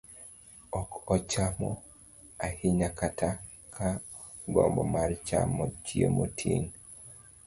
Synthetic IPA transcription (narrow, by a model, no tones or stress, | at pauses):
ɔkɔt͡ʃamɔ | ahiɲakata | kʰa | ɡɔmbɔmart͡ʃa̰mɔt͡ʃiomotʰiŋ